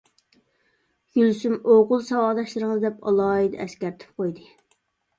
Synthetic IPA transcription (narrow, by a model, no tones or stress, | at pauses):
ɡ̥ylsymoʁʊlˠsɑwɑːd̪ɑʃlˠɨɾɨŋɨzd̪ɛpɑ̰lˠɑːid̪ɛɛskʲæɾt̪ʰɪ̥p̚qojd̪ɨ